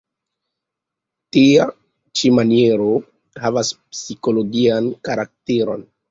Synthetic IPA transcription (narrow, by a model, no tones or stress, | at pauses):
tia | t͡ʃimanie̞ɾo | havaspsiko̞lo̞ɡiankaɾak̚teɾo̞̰n